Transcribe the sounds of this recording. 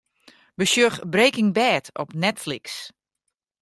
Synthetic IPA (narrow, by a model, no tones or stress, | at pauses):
bəʃjøxbrejkɪŋbɛːtʰɔpnɛtfliks